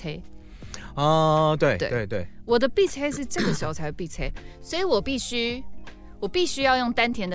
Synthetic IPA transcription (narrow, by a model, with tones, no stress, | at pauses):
e˥ɪ | ɔ˥˨t̪we˥˩ɪtḛ˥˩we˥˧ɪt̪we˥˩wɔ˨˩d̪ə˦pi˥˩t͡sʰe˥ɪʂ̬ɻ̩˥˧ʈ͡ʂɤ˥˩ɡə˩ʂ̩˨˧˥o˧ʊt͡sʰa˧˥ɪə˧˩pi˥˨˩t͡sʰe˦ɪswɔ˧˥i˨˦wɔ˨˩pi˥˩ɕy˥ | wɔ˨˩pi˥˩ɕy˥jɑ˥˧ʊjo˥˩ŋt̪a˦nt̪ʰjɛ˧˥nd̪ə˨